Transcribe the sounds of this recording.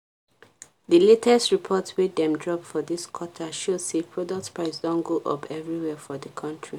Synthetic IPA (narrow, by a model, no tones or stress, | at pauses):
ðəletʰɛstɹipʰɔtwetdɛ̃mdɹɔpfɔðiskʰwɔtʰaʃoz̥sepʰɹɔdɔk̚tpɹaɪsdɔ̃nɡoʔɔ̰pʰɛvɹiwɛfɔðəkʰʌ̃ntʰɹi